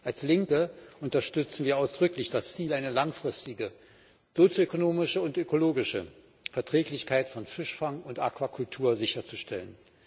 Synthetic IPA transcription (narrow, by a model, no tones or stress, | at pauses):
ʔalslɪŋkəʔʊntɐʃtʏt͡sn̩viːɐʔaʊsd̥ʁʏklɪçd̥ast͡siːlaɪnəlaŋfʁ̥ɪstɪɡə | z̥ot͡sjoøkonoːmɪʃəʊntʔøkoloːɡɪʃə | fɛɐtʁ̥ɛːklɪçkʰaɪtfɔnfɪʃfaŋʊntʔa̰kv̥akʰʊltʰuːɐzɪçɐt͡suʃtʰɛlən